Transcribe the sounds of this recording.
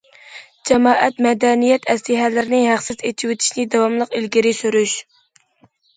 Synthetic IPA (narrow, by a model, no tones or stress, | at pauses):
d͡ʒɛmɑːʔɛt̪mɛd̪ɛnijɛt̪ʰɛslɪɦɛlɪɾɪnɪɦæχsɪzet͡ʃʰiwet̪ʰi̥ʃnɪd̪ɑwɑmlˠəqilɡʲiɾɪsyɾyʃ